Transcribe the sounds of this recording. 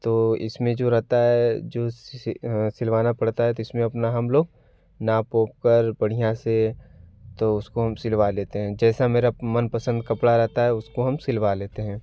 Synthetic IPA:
t̪oːɪ̰smẽd͡ʒoːɾɛɦt̪aɦɛd͡ʒoːssɪlʋaːnapɐɽt̪aɦɛt̪oɪsmẽɐpnaɦɐmloːɡ̚ | napoːp̚kəɾbɐɽ̤ijãse | t̪oʊskoɦɐmsɪlʋaleːt̪eɦɛ̃ːd͡ʒɛːsameːɾamɐnpɐsə̃nd̪̚kɐpɽaɾɛɦt̪aɦɛʊskoɦɐmsɪlʋaleːt̪eɦɛ̃ː

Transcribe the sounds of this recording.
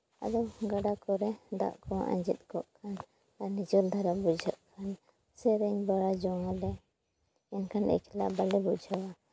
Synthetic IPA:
a̰d̪ɔɡaɖakɔɾɛd̪a̰ʔkɔʔã̰ɲd͡ʒɛt̪̚ˀkɔʔkʰan | aɾnid͡ʒɔɾd̪ʱaɾabud͡ʒʱa̰ʔkʰan | sɛɾɛɲbaɾad͡ʒɔŋalɛ | ɛnkʰanɛ̰kʰɛla̰ʔbalɛbud͡ʒʱawa

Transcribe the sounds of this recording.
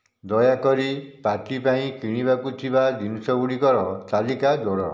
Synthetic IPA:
d̪ɔjakɔɾipaʈipaĩkiɽ̃iβakut̪ʰibad͡ʒinɔsɔuɽikɔɾɔt̪alikad͡ʒɔɽɔ

